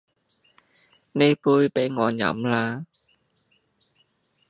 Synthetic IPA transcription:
ne˧jpuː˧jpe˨˥jŋɔː˨˧njɐ̰˨˥mlaː˧

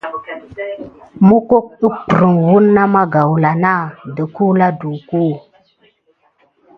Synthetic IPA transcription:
mu˦ko˦k̚ə˦k͡pɾə˨ŋwu˦nːa˦ma˦ɡa˨wla˨na˦˨də˨ku˦la˦du˨ku˦˨

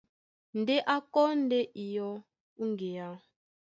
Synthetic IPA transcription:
ndɛ˦ʔa˦kɔ˦n˦dɛ˦ʔi˨jɔ˦ | u˦ŋɡe˨ja˦

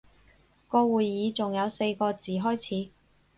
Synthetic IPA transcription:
kɔː˧wuː˨˩jjiː˨˧t͡sʊ˨ŋjɐ˨˧wse˧jkɔː˧t͡siː˨˩ɦɔː˥jt͡sʰiː˨˧

